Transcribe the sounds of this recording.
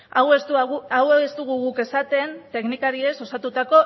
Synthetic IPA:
awe̞st̪uawest̪uɣ̞uɣuke̞sat̪e̞nt̪e̞knikaɾie̞so̞sat̪ut̪ako̞

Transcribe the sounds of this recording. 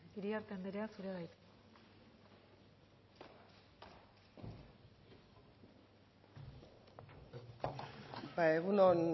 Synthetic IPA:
iɾiaɾt̪end̪eɾeasuɾeβajt̪ | bajeɣunon

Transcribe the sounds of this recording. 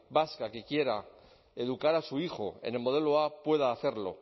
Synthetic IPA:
baskake̞kje̞ɾa | e̞ð̞ukaɾasuixo̞̰e̞̰ne̞lmo̞ð̞e̞loapwe̞ð̞aːθe̞ɾlo̞̰

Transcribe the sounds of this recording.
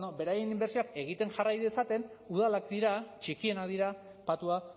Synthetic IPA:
nobe̞ɾaje̞nimbe̞ɾsioake̞ɣ̞it̪e̞nʝarajðesat̪e̞n | uð̞alakd̪iɾat͡ʃikie̞naðiɾa | pat̪ua

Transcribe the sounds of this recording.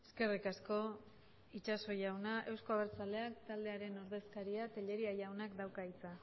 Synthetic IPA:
eske̞rikasko̞ | it͡ʃaso̞jawnaʔe̞wsko̞aβeɾt͡sale̞akt̪ald̪e̞aɾe̞no̞ɾðe̞skaɾiat̪e̞ʎe̞ɾiajawnakd̪awkait͡sa

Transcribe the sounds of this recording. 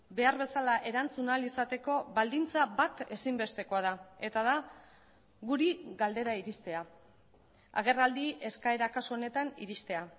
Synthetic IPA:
be̞aɾβe̞salaʔe̞ɾant͡sunalisat̪e̞ko̞bald̪int͡saβat̪e̞simbe̞st̪e̞ko̞að̞ae̞t̪aða | ɣuɾiɣald̪e̞ɾaiɾist̪e̞a | a̰ɣ̞e̞rald̪iʔe̞skae̞ɾakasoːne̞t̪anḭɾist̪e̞a

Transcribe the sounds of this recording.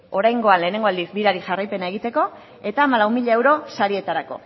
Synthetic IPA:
o̞ɾajŋɡo̞anle̞ːne̞ŋɡo̞ald̪isbiɾaɾiʝarajpe̞nae̞ɣ̞it̪e̞ko̞ | e̞t̪aːmalawmiʎae̞wɾo̞saɾie̞t̪aɾako̞̰

